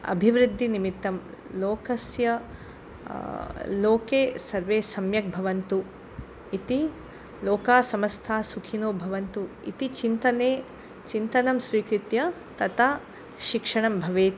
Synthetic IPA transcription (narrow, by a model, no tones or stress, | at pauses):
ɐ̰bʱiʋɾud̪ʱːinimit̪ːɐmloːkɐsjɐ | loːkeːsɐɾʋeːsɐmjɐk̚bʱɐʋɐnt̪u | it̪i | loːkaːsɐmɐst̪ʰaːsukʰinoːbʱɐʋɐnt̪uḭt̪it͡ʃint̪ɐneː | t͡ʃint̪ɐnɐmʃɾiːkɾut̪jɐ | t̪ɐt̪a | ʃikʂɐɳ̃ɐmbʱɐʋeːt̪i